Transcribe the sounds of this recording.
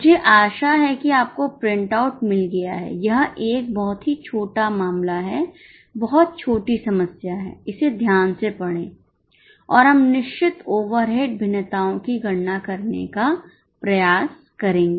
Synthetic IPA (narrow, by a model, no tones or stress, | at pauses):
d͡ʒeːʔaːʃaɦɛkiaːp̚kopɾɪ̃ɳʈaʊʈmɪlɡɐja̰ɦɛ̰jɐɦʔeːk̚bɔɦʊt̪ɦit͡ʃʰoːʈamaːmlaɦɛ | bɐɦɔt̪̚t͡ʃʰoːʈisɐməsjaɦɛ̰ːɪsed̪ʱjaːnsepɐɽ̃ẽː | ɔːɾɦɐmnɪʃt͡ʃɪt̪oːʋəɾɦeːɖbʱɪnət̪aːõkiɡʱɐɽnakɐɾnḛka | pɾɐjaːs | kɐɾẽːŋɡeː